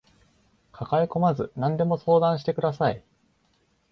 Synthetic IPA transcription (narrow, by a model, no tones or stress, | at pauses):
kʰakaiko̞mazɨnãnd̪e̞mo̞so̞ːd̪ãɰ̃ɕi̥t̪e̞kɯ̟d̪asai